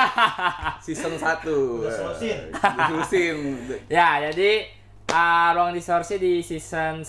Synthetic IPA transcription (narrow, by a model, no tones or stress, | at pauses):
sisəŋsat̪usissinjad͡ʒadi | əɾuaŋdisɔrsidisisən